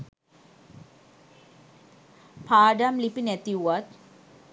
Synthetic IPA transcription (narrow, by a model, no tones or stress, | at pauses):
pʰaːdamlipinet̪iwat̪̚